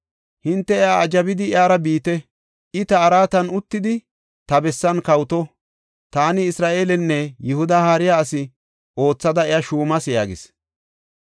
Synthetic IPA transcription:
hɪnt̪ːɛɪaɐd͡ʒɐbɪd̪ɪɪaːɾɐbiːt̪ɛ | ɪt̪ɐːɾaːt̪ɐnʊt̪ːɪd̪ɪ | t̪ɐbɛsːɐnkɐwt̪ɔ | t̪aːnɪːsɾaːʔe̞ːlɛnːɛjʊhʊd̪ahaːɾɪjaːsɪ | o̞ːt͡sːɐd̪ɐɪjaʃuːmɐsjaːɡɪ̰s

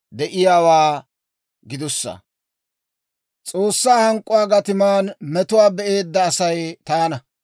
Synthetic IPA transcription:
d̪ɛʔɪjaːwaː | ɡɪd̪ʊsːɐ̰ | t͡sʼoːsːaːhɐŋkʼːʊwaːɡɐt̪ɪmaːnmɛt̪ʊwaːbɛʔe̞ːd̪ːɐːsɐjt̪ɐjɐnɐ

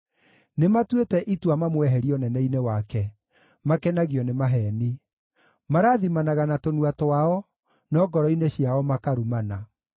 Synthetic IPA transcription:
nematwetɛʔitwamamwɛɦɛɾiɔnɛnɛinewakɛ | makɛnaɣiɔnemaɦɛni | maɾaðimanaɣanatonuatoaɔ | nɔːɡɔɾɔineɕiaɔmakaɾumana

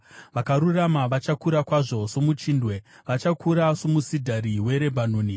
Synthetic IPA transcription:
ʋakaɾuramaʋat͡ʃakuɾakwaʐo̞ʂo̞mut͡ʃiːndwe̞ʋat͡ʃakuɾasomusidʱaɾiwe̞ɾe̞bʱanuːni

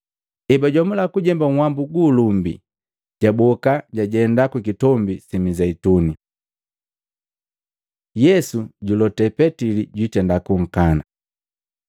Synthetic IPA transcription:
ɛbaɟamulakuɟɛmbaŋ̩wambuɡuːlumbḭ | ɟ̥abɔkaɟaɟɛndakwukitɔmbisimizɛituni | jɛsuɟulɔtɛpɛtiliɟwitɛndakuŋ̩kana

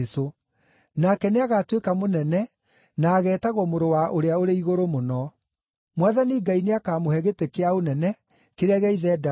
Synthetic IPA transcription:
so | nakɛneaɣatwekamonɛnɛ | naːɣɛːtaɣwɔmoɾowaʔoɾeaoɾeiɣoɾomonɔ | mwaðaniɡaineakaːmohɛɣetekeaonɛnɛ | keɾɛɣɛiðɛda

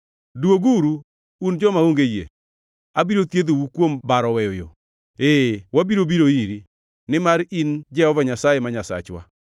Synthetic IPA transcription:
dwoɡuɾu | und͡ʒɔmaoŋɡejḛ | abiɾot̪jed̪owukwombaɾɔwɛjojo̰ | ewabiɾobiɾoiɾi | nɪmaɾind͡ʒɛhɔvaɲasajemaɲasa̰t͡ʃwa̰

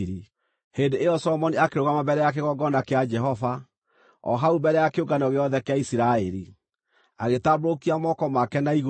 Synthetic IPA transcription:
ɾi | hendeejɔsɔɔmɔniakeɾoɣamabɛɾɛjakeɣɔɡɔnakead͡ʒɛɦɔva | ɔ̰ɦaubɛɾɛjakeoɡanɔɣeɔðɛkeaisiɾaɛɾi | aɣetabɾokiamɔkɔmakɛnaiɣo

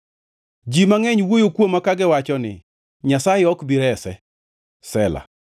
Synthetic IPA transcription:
d͡ʒimaŋɛɲwojokwomːakaɡɪwat͡ʃɔnɪ̰ | ɲasajɛɔkbiɾɛsɛ | sɛla̰

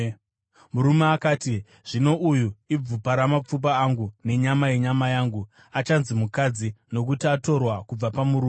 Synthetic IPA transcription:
muɾumeakaːti | ʐ̥ino̞ʔujuib͡vupaɾamap͡fup̬aːŋɡune̞ɲamaje̞ɲamajaːŋɡu | at͡ʃanzimukad͡zino̞kutiato̞rwakub͡vapamuɾuːme

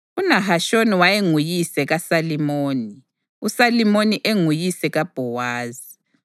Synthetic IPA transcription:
unaɦaʃoniwajeŋujisɛɣasalimoːni | usalimoniʔeŋujisɛɣab̥ʱɔwaːzi

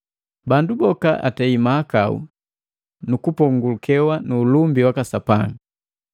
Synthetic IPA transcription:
bandubɔka̰ʔa̰tɛimaːkaṵ | nukupɔŋɡulukɛwanuːlumbiwakasapaŋ

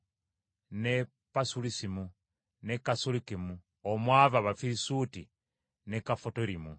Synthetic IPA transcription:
ne | pasulisimu | nekasulikimu | omwavaβafiɾisuti | ne̞kafotoɾimu

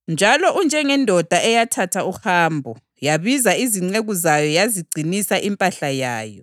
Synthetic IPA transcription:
nd͡ʒʱalɔʔund͡ʒʱɛŋɛndʱɔd̥ʱaʔɛjatʰatʰauhaːmbʱɔ | jaβizaiziŋ͡ǀeɣuzajɔjaziɡ͡ǀʱinisaʔimpʼaɬajaːjɔ

